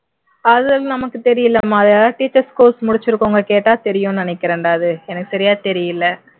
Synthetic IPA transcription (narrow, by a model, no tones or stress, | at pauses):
ɐðɯɐlnɐmɐkːɯt̪ɛɾɪjɪlːɐmaːðaːʈiːt͡ʃːɐɾskoːsmʊɽɪt͡ʃːɪɾɯkːoːŋɡɐkeːʈːaːt̪ɛɾɪjʊ̃nɪnɛkːɪɾɐɳɖaːðɯɛnɐkːɯ̥sɐɾɪjaːt̪ɛɾɪjɪlːɐ